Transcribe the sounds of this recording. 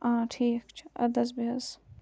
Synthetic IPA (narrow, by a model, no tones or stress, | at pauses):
ãːʈʰiːkt͡ʃʰɐ̰d̪ɐzbiɐz